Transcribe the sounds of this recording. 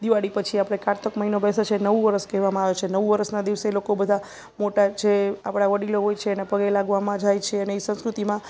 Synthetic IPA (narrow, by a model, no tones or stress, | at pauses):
d̪iʋaɽipət͡ʃʰiapɽ̃ekaɾt̪əkməɦinobɛsat͡ʃʰenəʋuʋəɾəskɛɦʋamãaʋet͡ʃʰenəʋũʋəɾəsnad̪iʋselokobəd̪ʱa | moʈat͡ʃʰeapɽ̃aʋəɽiloɦojt͡ʃʰeːnepəɡelaɡʋamãd͡ʒajt͡ʃʰeəneisə̃ñskɾut̪imã